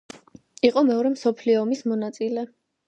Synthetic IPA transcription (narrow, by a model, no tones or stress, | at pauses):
iqʼɔmɛɔɾɛmsɔpʰliɔmismɔnat̪sʼilɛ